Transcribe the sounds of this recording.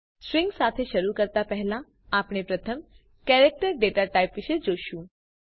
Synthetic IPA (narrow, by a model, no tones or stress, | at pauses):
sɾɪ̃ŋɡsat̪ʰeʃəɾukəɾt̪apɛɦlã | apɳ̃epɾət̪ʰəm | kɛɾek̚ʈəɾɖeʈaʈaipʋɪʃed͡ʒoʃũ